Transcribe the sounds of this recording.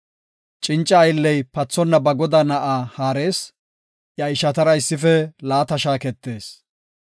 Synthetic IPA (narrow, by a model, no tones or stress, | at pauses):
t͡ʃʼɪnt͡ʃʼːɐːjlːɛjpɐt͡sːɔnːɐbɐɡɔd̪ɐnɐʔaːhaːɾe̞ːs | ʔjɐɪʃɐt̪ɐɾɐɪsːɪfɛlaːt̪ɐʃaːkɛt̪ːe̞ːs